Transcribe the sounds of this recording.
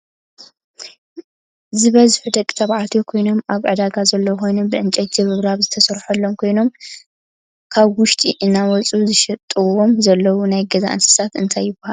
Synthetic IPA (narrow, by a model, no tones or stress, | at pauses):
zɨβɐzħud̪ɐkʼi̥t̪ʰaβʕat̪ʰjokʰo̞jno̞mʔaβʕɨd̪aɡazɐlːɐwxo̞jnubɨʕɨnt͡ʃʼɐt̪zɨβɨβɾaβzɨt̪ʰɐsɐɾħɐlːo̞mkʰo̞jno̞m | kʰaβwʊʃt̪ʼiʔɨnːawɔt͡sʼuzɨʃɐt̪ʼːɨwo̞mzɐlːɐwunajɡɐza̰ʔɨ̰nsɨ̥sat̪ɨnt̪ʰajːɪbɐhal